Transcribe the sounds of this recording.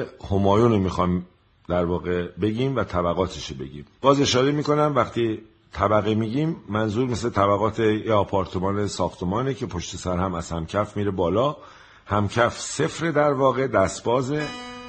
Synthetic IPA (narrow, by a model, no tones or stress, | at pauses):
homɒːjuːnomiːxɒjm | d̪̥æɾvɒːɣe̞be̞ɟiːmvæt̪ʰæbæɣɒːt̪ʰeʃobe̞̰ɟḭːmb̥ɒːze̞ʃɒːɾe̞miːko̞næmvæχt̪ʰiː | t̪ʰæbæɣimiːɟiːmːænzuːɾme̞slet̪ʰæbæɣɒːt̪ʰejeɒːpʰɒːɾt̪ʰemɒːnesɒːxt̪ʰe̞mɒːnecʰe̞pʰo̞ʃt̪e̞sæɾhæmæz̥hæmcʰæfmiːɾebɒːlɒː | hæmcʰæfse̞fɾe̞d̪æɾvɒːɣe̞d̪æst̪bɒːze